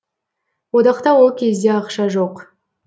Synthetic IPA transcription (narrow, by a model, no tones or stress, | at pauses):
wod̪ɑqt̪ɑwolˠkʲʰe̞zd̪e̞ɑqʃɑʒoq